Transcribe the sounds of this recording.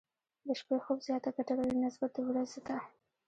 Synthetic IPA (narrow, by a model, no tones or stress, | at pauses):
d̪əʃpexobzjɑt̪aɡaʈaɾalənɪsbat̪̚d̪əwɾazet̪a